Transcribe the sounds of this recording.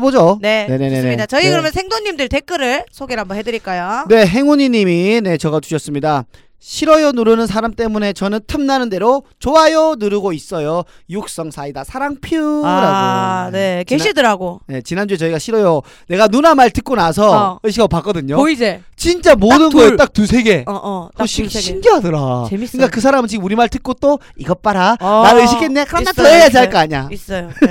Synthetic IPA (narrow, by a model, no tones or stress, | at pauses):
bod͡ʑonenenenemidat͡ɕʌikɯɾʌmjʌnsʰeŋdoŋɲimdɯɭte̞k͈ɯɾɯɭsʰoɡeɭɦambʌnɦedɯɾiɭk͈ajone̞ɦe̞ŋuɲiɲimine̞t͡ɕʌɣat͡ɕu̥ɕʰʌs͈ɯmɲida | ɕʰiɾʌjʌnuɾɯnɯns̬ʰaɾamt͈e̞mune̞t͡ɕʌnɯntʰɯmnanɯnde̞ɾot͡ɕoɦajʌnɯɾɯɡois͈ʌjojuk̚s͈ʌŋsʰaidasʰaɾaŋpʰuɾaneiidɯɾaɡoje̞t͡ɕinand͡ʑue̞t͡ɕʌiɡaɕʰiɾʌjo | ne̞ɡanunamaɭtɯk̚k͈onasʰʌɯɕ̬ʰiɡaopak͈ʌdɯɲoid͡ʑet͡ɕint͡ɕ͈amonɯnɡʌjot͈ak̚tusʰe̞ɡe̞ɕʰiɕʰimɡiɦadʌɾaeikɯk͈akɯsʰaɾamɯnt͡ɕiɡ͈ɯmuɾimaɭtɯk̚k͈ot͈o | iɡʌp͈aɾaaɾɯɕʰikenːekejad͡ʑiaɭk͈aaɲais͈ʌjo